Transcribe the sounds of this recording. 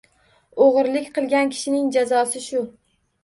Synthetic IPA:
oʁɨɾlɪkʲqʰɨlˠɡʲankʲʰɪ̥ʃɪnɪŋd͡ʒazɒsɪʃʊ

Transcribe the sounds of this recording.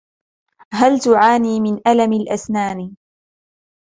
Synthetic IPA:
ɦalt̪ʊʕaːniːmɪnʔalamalʔasnaːn

